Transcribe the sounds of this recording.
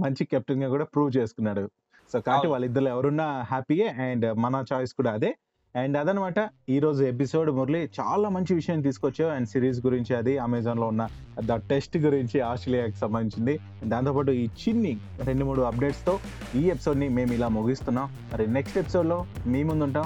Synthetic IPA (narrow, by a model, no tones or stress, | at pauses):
mɐɲt͡ʃikep̚ʈinɡaːkuːɽaːpɾuːʋt͡ʃe̞ːsu̥kunːaːɽu | so̞ːkaːɐʈːiʋaːlːɐid̪ːɐɾluːɛʋɐɾunːɐɦæːpieɛːɳɖmɐnɐt͡ʃaːjskuːɽaːd̪e | ɛːɳɖɐd̪ɐnɐmaːʈɐiːɾo̞ːd͡ʒue̞p̬iso̞ːɖmuɾlit͡ʃa̰ːlaːmɐɲt͡ʃiʋiʂɐjaːnit̪̬iːsukʋot͡ʃːaːɐɳɖsiːɾiːzɡuɾiɲt͡ʃiɐd̪iɐmɛːd͡ʒɐnlo̞ːunːɐ | d̪ɐʈesʈɡuɾiɲt͡ʃiaːsʈɾelijaːki̥sɐmbɐnd̪iɲt͡ʃind̪i | d̪ant̪opaːʈuiːt͡ʃinːi | ɾe̞ɳɖumuːɽuɐp̚ɖe̞ːʈst̪o̞ːiːe̞pi̥so̞ːɖnime̞ːmilaːmuɡist̪unːaːm | mɐɾineksʈepi̥so̞ːɖlo̞ːmeːmund̪uɳʈaːm